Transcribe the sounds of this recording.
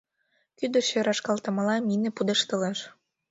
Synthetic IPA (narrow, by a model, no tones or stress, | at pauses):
kyd̪ə̆ɕøɾɑʃkɑlt̪ɤ̆mə̆lɑminĕpud̪eʃt̪əleʃ